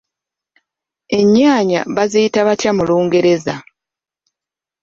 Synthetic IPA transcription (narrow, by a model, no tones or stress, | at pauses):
e̞ɲːaːɲa̰βazijitaβatjamuluːŋɡe̞ɾe̞za